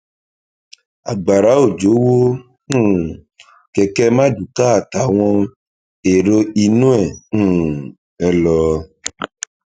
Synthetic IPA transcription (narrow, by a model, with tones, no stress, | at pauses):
a˨ɡ͡ba˨ɾa˨˦o˦˨d͡ʒo˨˦wõ˦˨ | kɛ˧kɛ˦mã˦du˨ka˦a˨ta˨˦w̃ɔ̃˧ | e˨ɾo˧i˧nũ˦ɛ̃˦˨˦ | ɛ˧lɔ˧